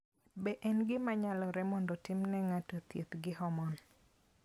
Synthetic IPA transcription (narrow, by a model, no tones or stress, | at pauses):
bɛʔɛnɡɪmaɲalɔɾɛmɔndɔtɪmnɛŋatot̪jet̪ɡɪhɔmɔn